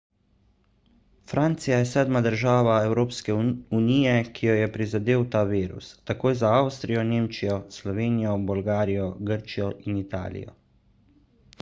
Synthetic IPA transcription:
fɾʔaːnt̪sijajɛsɛːd̪mad̪əɾʒaːʋaɛwɾoːpskɛuniːjɛkʰijɔjɛpɾizad̪eːwt̪aːʋiːɾṵsːakoːjzaawst̪ɾijɔneːmt͡ʃijɔslɔʋeːnijɔbɔlɡaːɾijɔɡəɾt͡ʃijɔʔinit̪a̰ːlḭjɔ̰

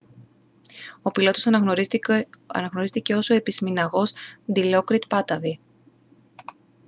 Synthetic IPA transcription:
o̞pilo̞t̪os | ɐ̰nɐɣnoɾist̪ice̞o̞so̞e̞pisminɐɣo̞sd̪ilo̞kɾit̪pɐt̪ɐði

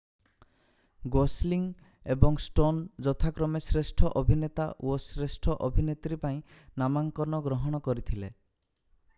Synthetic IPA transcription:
ɡosliŋ | ebɔŋsʈond͡ʒɔt̪ʰakɾɔmesɾesʈʰɔʔɔbʱinet̪a̰osɾesʈʰɔʔɔbʱinet̪ɾipaĩ | namaŋkɔɾnɔɡɾɔɦɔɽ̃ɔkɔɾit̪ʰile

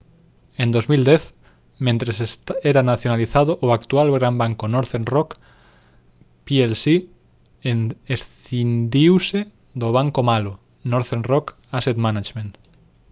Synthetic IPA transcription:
ẽnd̪ozmild̪eθ | mẽnt̪ɾesseɾanaθjonaliθaðoʔoakt̪ualɣɾambaŋkonoɾθenrok | pielsi | esθind̪iwse | d̪oβ̞aŋkomalo | noɾθenrok | aset̪manat͡ʃmẽnt̪

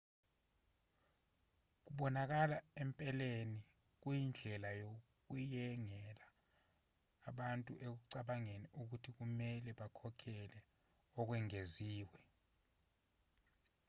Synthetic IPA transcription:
k̬uɓɔnak̬alaɛmpʼɛleni | k̬uind͡ɮʱɛlajo | k̬ujɛŋɛla | ɓantʼuʔek̬uǀaɓaŋeniʔuk̬utʰik̬umɛlɛɓakʰɔkʰɛlɛ | ɔk̬wɛŋeziːwɛ

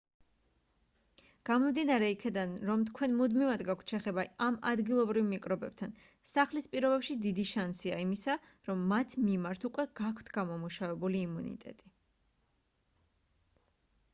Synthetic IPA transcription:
ɡ̥amɔmd̪inaɾɛikʰɛd̪anɾɔmt̪ʰkʰwɛnmud̪mivad̪ɡakʷʰt̪ʰʃɛχɛbaama̰d̪ɡilˠɔbɾivmikʼɾɔbɛb̥̚t̪ʰan | saχlispʼiɾɔbɛpʃid̪id̪iʃansiaimisa | ɾɔmːat̪ʰmimaɾt̪ʰukʼwɛɡ̥akʰt̪ʰɡ̥amɔmuʃavɛbuliːmunḭt̪ʼɛ̰t̪ʼi

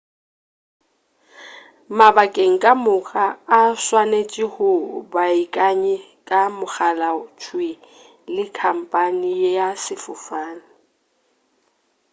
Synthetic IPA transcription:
mabakʼeŋ̩kʼamʊɣaːswanet͡ʃʼɪhʊbaikʼaɲɛkʼamʊk͡xalat͡ʃʰwe | lɪkʰam̩pʼanijjasɪfʊfaːnɪ

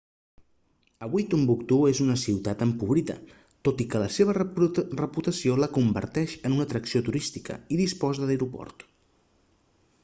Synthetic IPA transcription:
əβuijt̪umbukt̪uezunəsiwt̪at̪əmpuβ̞ɾiðə̰ | t̪ot̪ikələseβərəput̪əsioləkumbə̰ɾt̪ɛʃənunət̪ɾəksiot̪uɾist̪ikə̰iðispɔzəəjɾupɔ̰rt̪

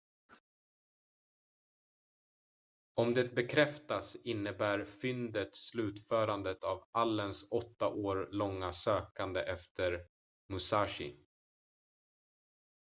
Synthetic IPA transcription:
ɔmd̪ɛt̪̚bɛkʰɾɛft̪asɪnːəbæːɾfʏnd̪ət̪slʉ̟ːt̪fœːɾand̪ət̪avalːənsɔt̪ːaʔoːɾɭɔŋːasøːkand̪əʔɛft̪ʰəɾ | mɵsaːʂɪ̰

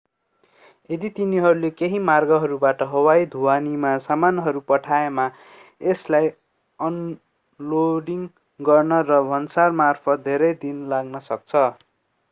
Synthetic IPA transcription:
ed̪it̪iniɦʌɾulekeɦimarɡʌɦʌɾubaʈʌɦʌwajd̪ʱuwanimasamanɦʌɾupʌʈʰaema | eslaj | ʌn | loɖiŋ | ɡʌrnʌrʌbʱʌnsarmarpʰʌt̪̚d̪ʱeɾʌjd̪inlaɡnʌsʌk̚t͡sʰʌ

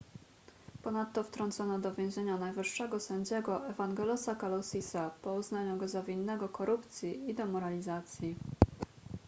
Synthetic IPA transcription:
pɔnat̪ːɔft̪ɾɔnt̪sɔnɔd̪ɔvʲjɛ̃w̃ʑeɲanajvɘʂːɛɡɔsɛɲd͡ʑɛɡɔʔɛvaŋɡɛlɔsakalɔsʲisapɔuznaɲuɡɔzavʲinːɛɡɔkɔɾupt̪sʲjiid̪ɔmɔɾalʲizat̪sʲji

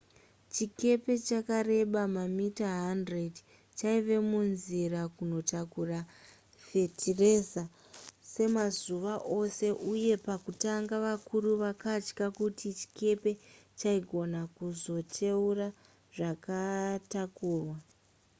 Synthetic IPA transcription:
t͡ʃike̞pe̞t͡ʃakare̞ɓamamitaɦandred | t͡ʃaiʋe̞munzirakuno̞takura | fe̞tʰireza | se̞mazuʋaʔo̞se̞ʔuje̞pakutaŋɡaʋakuruʋakat͡ʃkakutʰit͡ʃi̥ke̞pe̞t͡ʃaiɡʱo̞nakuzo̞tʰe̞ura | ʐakatakuːrwa

